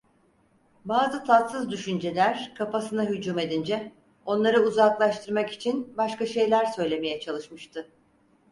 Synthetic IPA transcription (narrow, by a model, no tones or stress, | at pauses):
baːzɯt̪ʰat̪sɯzd̪yʃynd͡ʒe̞lʲæɾkʰapasɯnaɦyd͡ʒuːme̞d̪ind͡ʒɛ | o̞nlˠaɾɯuzaklˠaʃt̪ʰɯɾmaki̥t͡ʃʰinbaʃkaʃe̞jlʲæɾsø̞jlʲe̞me̞jɛt͡ʃʰalˠɯʃmɯʃt̪ʰɯ